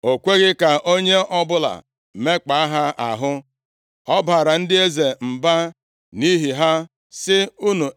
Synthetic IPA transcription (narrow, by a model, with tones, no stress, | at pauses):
o˨kʷe˦ɣɪ˦ka˨ʔo˦ɲe˦ʔɔ˦bʊ˦la̰˨ | me˦k͡pa˨a˦ɦa˦a̰˨ɦʊ˦ | ɔ˦ba˨ɾa˨n̩˦dɪ˦e˦ze˨m̩˨ba˦ | ni˦ɦi˨ɦa˦ | sɪ˦u˦nu˨